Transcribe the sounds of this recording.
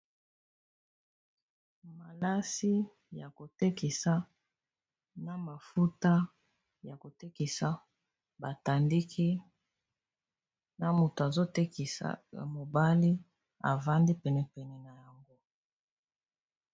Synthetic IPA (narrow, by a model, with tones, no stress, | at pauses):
ma˨la˦si˦ | ja˨ko˨te˦ki˨sa˦ | na˨ma˨fu˦ta˦ | ja˨ko˨te˦ki˨sa˨ | ba˨ta˨ndi˦kʰi˦ | na˨mu˨to˨a˨zo˦te˦ki˨sa̰˨mo˨ba˦li˦ | a̰˨va˦ndi˦pɛ˨nɛ˨pɛ˨nɛ˨na˨ja˨ŋɡo˦